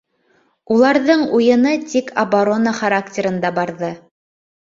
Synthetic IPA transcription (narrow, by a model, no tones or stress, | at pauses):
ulˠɑɾðɤɴujɤ̆nɤt̪ʲikʰɐbaɾo̞naχaɾaktʲeɾɤ̆nd̪ɑbɑɾðɤ